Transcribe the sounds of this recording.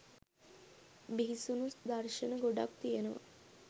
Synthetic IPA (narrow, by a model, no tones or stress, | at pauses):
biɦisunusd̪arʃənəɡoɖa̰kt̪ijenəʋa̰